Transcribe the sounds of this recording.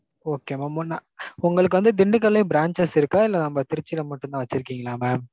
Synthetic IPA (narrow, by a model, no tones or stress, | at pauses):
oːkeːmaːmnaʊŋɡɐɭɯkːɯʋɐnd̪ɯd̪ɪɳɖɯk̬ːɐlːɐɪbɾaːɲt͡ʃɐsɪɾɯkːaːɪlːɐnɐmːɐt̪ɪɾɪt͡ʃːɪlɐmɐʈːɯnãːʋɐt͡ʃːɪɾɯkːiːŋɡɐlaːmeːm